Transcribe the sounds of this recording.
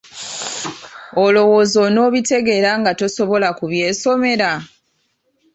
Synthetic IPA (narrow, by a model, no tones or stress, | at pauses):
olo̞woːzo̞no̞ːβite̞ɡe̞ɾaŋɡato̞so̞βo̞lakuβje̞ːso̞me̞ɾa